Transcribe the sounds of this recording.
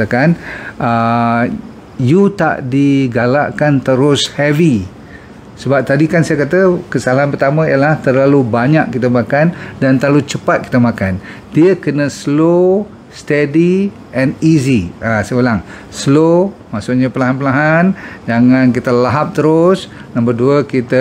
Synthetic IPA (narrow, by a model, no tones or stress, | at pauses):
kanʔə | jut̪a̰ʔdiɡalaʔkant̪əɾʊshɛvi | səbap̚t̪adikansajakat̪əkəsalaɦanpərt̪amə̃iəlaht̪ərlalubaɲaʔkːit̪əmakandant̪əlalut͡ʃəpat̪̚ki̥t̪əmakan | diəkənəslo | st̪ɛdi | ʔɛniziasəbəlaŋ | slomaʔsʊʔɲapəlaɦanpəlaɦand͡ʒaŋãnk̬it̪əlaɦap̚t̪əɾʊs | nãmbərduəkit̪ə